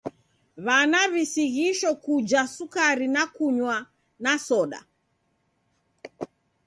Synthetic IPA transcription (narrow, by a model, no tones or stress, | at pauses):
βanaβisiɣiʃɔkud͡ʒasukaɾinakuɲwa | nasɔɗa̰